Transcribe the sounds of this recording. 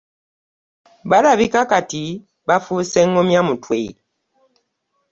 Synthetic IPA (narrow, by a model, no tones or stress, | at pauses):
balaβikakati | bafusɛŋɔmjamutwe